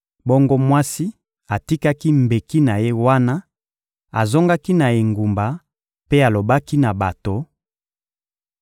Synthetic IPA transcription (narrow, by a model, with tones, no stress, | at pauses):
bɔ˦ŋɡo˦mwa˦si˦ | a˨ti˦ka˦ki˦mbe˨ki˦na˨je˦wa˦na˦ | a˨zo˦ŋɡa˦ki˦na˨e˨ŋɡu˨mba˨ | pe˦a˨lo˨ba˦ki˦na˨ba˨to˨